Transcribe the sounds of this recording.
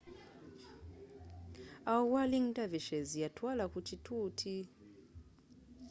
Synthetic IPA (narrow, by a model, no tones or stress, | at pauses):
auwaliŋ̩tʼaviʃɛzijatʰwalakut͡ʃitʰutʰi